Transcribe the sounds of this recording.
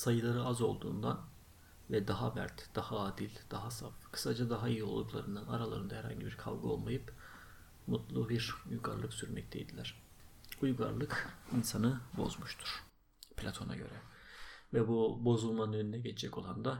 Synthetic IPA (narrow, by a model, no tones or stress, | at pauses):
sajɯlˠaɾɯazo̞lˠd̪ṵːnd̪an | vɛd̪aɦamæ̰ɾt̪d̪̥ahaaːd̪ilʲd̪̥aɦasafkʰɯ̥sad͡ʒad̪aɦaijio̞lˠd̪uklˠa̰ɾɯnd̪ana̰ɾalˠa̰ɾɯnd̪ahɛɾha̰ɲɟibiɾkʰa̰vɡɯolˠmajɯp | mut̪lˠubiɾujɡa̰ɾlˠɯksyɾmɛ̰c̚t̪ʰɛjd̪ilʲæɾ̥ | ujɡa̰ɾlˠɯkinsanɯbo̞̰zmuʃt̪ʰu̥ɾ̥ | pʰlʲat̪ʰo̞na̰ɟøɾɛvɛbubo̞zulˠmaønynɛɟet͡ʃʰɛd͡ʒɛco̞̰lˠand̪a